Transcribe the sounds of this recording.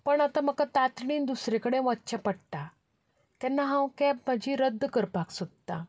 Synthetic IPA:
pəɳat̪ãm̤əkat̪at̪ɳiːnd̪usɾekəɽẽʋãtːɕapəɽt̪a | t̪ɛnːaɦãwkɛb̚m̤əd͡ʑʱiɾəd̪ʱːkəɾpaksod̪̚t̪a

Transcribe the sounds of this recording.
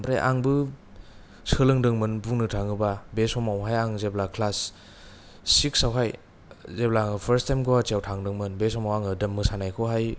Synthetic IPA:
mpɾḛʔa̰ŋbɯ | sɯlɯŋdɯŋmɯnbunɯtʰaŋɯbabesɔmawɦajaŋzeblakʰlas | iksawɦaj | zeblaŋɯpʰəɾstʰajmɡowat͡ʃiawtʰaŋdɯŋmɯnbesɔmawaŋɯdɯmːɯsanajkʰɔɦaj

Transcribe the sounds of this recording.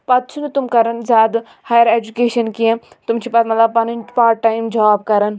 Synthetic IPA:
pɐt̪̚t͡ʃʰunt̪umkɐɾɐnzʲaːd̪ | haːjəɾeːd͡ʒukeːʃɐnkiẽ | t̪umt͡ʃʰipɐt̪mɐt̪lɐb̚pɐnɐnpaːɾʈːaːimd͡ʒaːb̚kɐɾɐn

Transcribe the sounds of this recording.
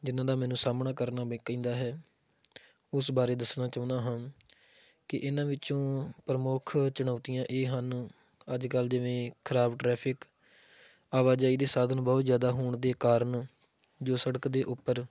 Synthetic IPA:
d͡ʒɪnãːd̪aːmɛːnũːsaːmnaːkəɾnaːbkĩːnd̪aːɦɛː | ʊsbaːɾeːd̪əsɳaːt͡ʃãːnd̪aːɦãːn | kɪʔɪnãːʋɪt͡ʃõːpɾəmʊːkʰt͡ʃəɽaːt̪ɪjãːʔeːɦən | əd͡ʒkəld͡ʒɪʋẽːkʰəɾaːbʈɾɛːpʰɪk | aːʋaːd͡ʒaːiːd̪eːsaːd̪ənbɔːt̪zjaːd̪aːɦoːɳd̪eːkaːɾəɳ | d͡ʒoːsəɽəkd̪eːʔʊpːəɾ

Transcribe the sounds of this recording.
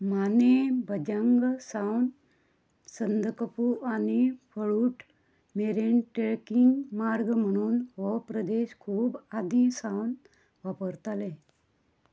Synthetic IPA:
manebəd͡ʑəŋɡsawn | sənd̪ʱkəpuʔanifəɭuːʈʰ | meɾeɳʈeɭkiŋɡmaɾɡm̤əɽ̃uːnɦɔpɾəd̪eɕkʰuːbad̪ʱisawn | ʋapəɾt̪ale

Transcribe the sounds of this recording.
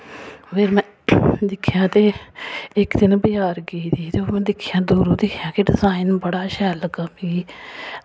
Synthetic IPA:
pʰeːɾmɛ̃ː | d̪ɪkʰːjãːt̪eːɪkd̪ɪnbəjaːɾɡiːt̪iːt̪eoːmɛ̃ːd̪ɪkʰjãːd̪uːɾõːd̪ɪkʰjãːkeɖɪzaːɪnbəɽaːʃɛːləɡaːbiː

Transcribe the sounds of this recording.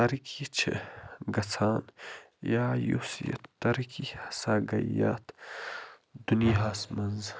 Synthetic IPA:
ɐɾikʰit͡ʃʰḛɡɐt͡sʰaːn | jaːjṵsijɐ̰t̪ːɐɾikʰihɐsaːɡɐja̰ːt̪ | d̪uniɦaːsmɐnz

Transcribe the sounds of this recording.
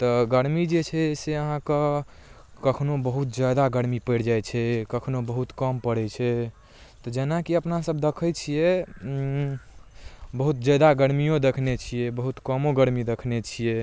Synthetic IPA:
t̪ɔɡəɾmid͡ʒet͡ʃʰɛseəɦãke | kəkʰnobəɦut̪̚d͡ʒjad̪aɡəɾmipəɽd͡ʒajt͡ʃʰɛkəkʰnobəɦut̪kəmpəɽɛt͡ʃʰɛ | t̪ɔd͡ʒenakiəpnasəbd̪ekʰət͡ʃʰijɛ | bəɦut̪d͡ʒad̪aɡəɾmijõd̪ekʰnet͡ʃʰijɛbəɦut̪kəmoɡəɾmid̪ekʰnet͡ʃʰijɛ

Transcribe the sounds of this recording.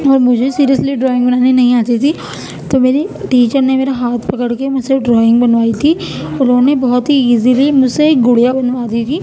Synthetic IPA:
ɔːɾmʊd͡ʒʱesiːɾijəsliɖɾɔːɪ̃ŋɡbɐnaːninɐɦĩaːt̪it̪ʰi | t̪oːmeːɾiʈiːt͡ʃəɾnemeːɾaɦaːt̪ʰpɐkəɽkemʊd͡ʒseɖɾɔːɪ̃ŋɡbɐnʋaːit̪ʰi | ʊnɦõnebɔɦʊt̪ɦiiːzilimʊd͡ʒseɡʊɽijabɐnʋaːd̪it̪ʰiː

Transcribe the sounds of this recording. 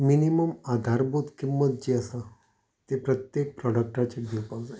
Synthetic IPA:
miniməmad̪ʱaɾbot̪kimːət̪̚d͡ʑiːəsa | t̪epɾət̪jek̚pɾɔɽək̚ʈat͡ɕed̪ʱiwpawd͡zaj

